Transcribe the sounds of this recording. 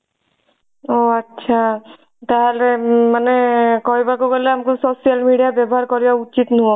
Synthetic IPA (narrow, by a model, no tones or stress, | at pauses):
oətːʃʰa | t̪aɦalemanekɔibakoɡɔleamkososijəlmiɖijabjabɔɦaɾkɔɾijaut͡ʃit̪nɦo